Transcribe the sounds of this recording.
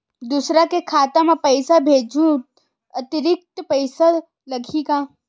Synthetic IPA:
d̪usɾakekʰaːt̪amãpɐɪsabʱeːd͡ʒʱũ | ət̪ɪɾɪk̚t̪əpəɪsa | lɐɡʱikã

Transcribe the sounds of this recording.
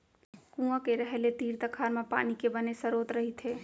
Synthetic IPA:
kũːãkeɾɛɦɛlet̪iːɾt̪ɐkʰaːɾmẽpa̰ːnikebɐnesɐɾoːt̪ɾɐɦit̪ʰeː

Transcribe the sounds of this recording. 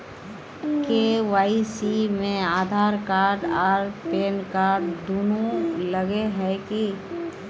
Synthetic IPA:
keːʋaːisimẽaːd̪ʱaːɾkaːɾɖaːɾpeːnkaːɾɖd̪oːnuləɡeɦɛki

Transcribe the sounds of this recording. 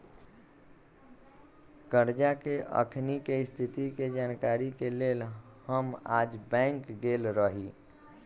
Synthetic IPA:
kəɾd͡ʒakeʔə̰kʰnikest̪ʰit̪iked͡ʒaːnkaɾikeleːlhəmaːd͡ʒbɛ̃ːŋkɡelɾəɦi

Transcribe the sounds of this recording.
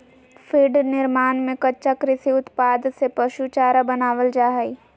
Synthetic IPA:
fɪɖnɪɾmaːnmẽkɐtːʃakɾɪsiʊt̪paːd̪sepɐʃut͡ʃaːɾabɐnaːʋəld͡ʒaːɦai

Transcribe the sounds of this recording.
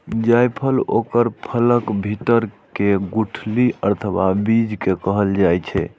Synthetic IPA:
d͡ʒajpʰəlo̰kəɾpʰələkbʱiʈəɾkeɡuʈʰliʔəɾt̪ʰəbabid͡ʒkekəɦəld͡ʒajt͡ʃʰɛ̰

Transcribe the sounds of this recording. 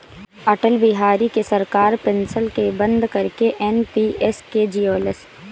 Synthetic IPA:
ɐʈəlbɪɦaːɾikesɐɾkaːɾpɪnsəlkebə̃nd̪kɐɾkeʔɛnpiːesked͡ʒijoːləs

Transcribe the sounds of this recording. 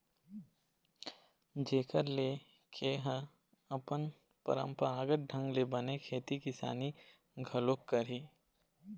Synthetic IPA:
d͡ʒeːkʰəɾle | kʰeɦə̃ | ɐpən | pə̰ɾə̰̃mpəɾaːɡəʈ̚ɖʱə̃ŋɡlebənekʰeːt̪ikɪsa̰ːni | ɡʱəlokːəɾiː

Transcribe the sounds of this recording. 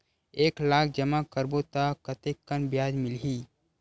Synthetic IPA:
eːklaːk̚ʰd͡ʒəmakəɾbot̪akət̪ekːənbjaːd͡ʒmɪlɦiː

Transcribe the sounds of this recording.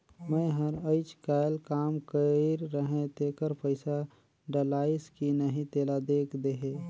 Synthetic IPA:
mə̃ɦəɾəɪt͡ʃkaːjlkaːmkəiɾːəɦẽt̪eːkəɾpəɪsa | ɖəlaːɪskinəɦĩt̪eːlad̪eːkʰd̪eɦẽː

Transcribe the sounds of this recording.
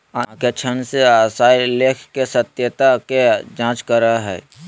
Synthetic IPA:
aket͡ʃʰənseasaːileːkʰkesət̪jət̪aked͡ʒãːt͡ʃkəɾaɦɛ̰ː

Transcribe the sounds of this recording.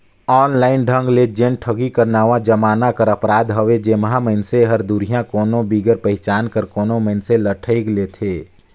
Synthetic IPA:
ɔːnlaːɪnɖʱə̃ŋɡled͡ʒẽnʈʰəɡikəɾnaːʋãd͡ʒəmaːnakəɾəpɾaːd̪ɦəʋed͡ʒeːmɦaməɪnseɦəɾd̪uɾijãkoːnobiːɡəɾpəɦɪt͡ʃaːnkəɾkoːnoməɪnseləʈʰəɪɡleːt̪ʰeː

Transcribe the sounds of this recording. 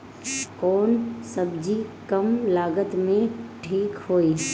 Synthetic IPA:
kɔːnsɐbd͡ʒikɐmlaːɡət̪mẽʈʰiːkɦoːiː

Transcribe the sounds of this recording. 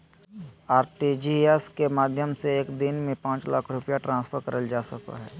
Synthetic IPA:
aːɾʈid͡ʒiɛskemaːd̪ʱjəmseeːkd̪ɪnmẽpãːt͡ʃla̰ːkʰɾʊpjaʈɾãːnspʰəɾkɐɾəld͡ʒaːsɐka̰ɦɛ̰ː

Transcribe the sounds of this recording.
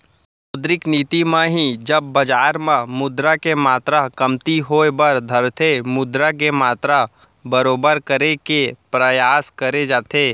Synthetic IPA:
od̪ɾɪkniːt̪imãɦid͡ʒɐbːɐd͡ʒaːɾmãmʊd̪ɾakemaːt̪ɾakɐmt̪iɦoːebɐɾd̪ʱəɾt̪ʰemʊd̪ɾak̬emaːt̪ɾa | bəɾoːbəɾkəɾekepɾəjaːskəɾed͡ʒaːt̪eː

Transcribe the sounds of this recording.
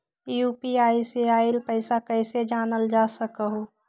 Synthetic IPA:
juːpiaːiseaːɪlpəɪsakɛɪsed͡ʒaːnəld͡ʒaːsəkəɦo

